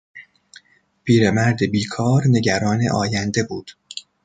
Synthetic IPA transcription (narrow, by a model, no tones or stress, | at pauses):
pʰiːɾemæɾd̪ebiːkʰɒːɾne̞ɟæɾɒːnḛʔɒːjænd̪e̞buːd̪̥